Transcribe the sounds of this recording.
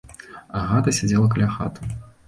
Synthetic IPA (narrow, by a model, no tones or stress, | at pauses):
ɐɣat̪ɐsʲad͡zʲɛlˠɐk̬ɐlʲaxa̰t̪u̥